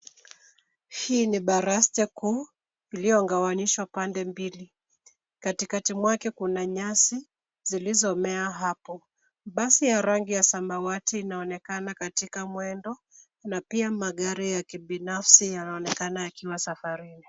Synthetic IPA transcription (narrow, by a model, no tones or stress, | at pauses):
hiːniɓaɾastɛku | ilijɔŋɡawaniʃwapandɛmbili | katikatimwakɛkunaɲasi | zilizɔmɛaɦapɔ | ɓasijaɾaŋɡijasambawatiːnaɔnɛkanakatikamwɛndɔ | napiamaɠaɾijakiɓinafsijanaɔnɛkanajakiwasafaɾini